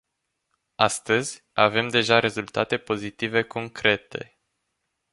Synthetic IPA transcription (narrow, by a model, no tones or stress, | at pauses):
ast̪əzʲ | ave̞md̪e̞ʒaɾe̞zult̪at̪e̞po̞zit̪ive̞kʰo̞ŋkɾe̞t̪e̞̰